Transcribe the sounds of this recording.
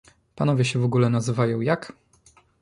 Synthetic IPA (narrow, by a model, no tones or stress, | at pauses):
panɔvʲjɛɕɛvɔɡulɛnazɘvajɔ̃w̃jak